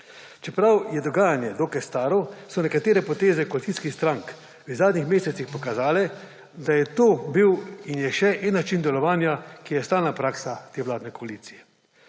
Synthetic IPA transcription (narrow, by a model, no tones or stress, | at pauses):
t͡ʃɛpɾawjɛd̪ɔɡaːjanjɛd̪okɛst̪aːɾɔsɔnɛkat̪eːɾɛpɔt̪eːzɛkɔalit̪siskixst̪ɾaŋk | əzaːd̪nixmeːsɛt̪sixpɔkazaːlɛ | d̪ajɛt̪oːbiwinjɛʃɛʔɛnːat͡ʃind̪ɛlɔʋaːnjakijɛst̪aːlnapɾaːksat̪eːʋlaːd̪nɛkɔaliːt̪sijɛ